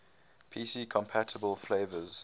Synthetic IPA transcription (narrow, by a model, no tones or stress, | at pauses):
pʰiːsiːkʰɔ̃mpʰætʰəbəlˠfleɪvəz̥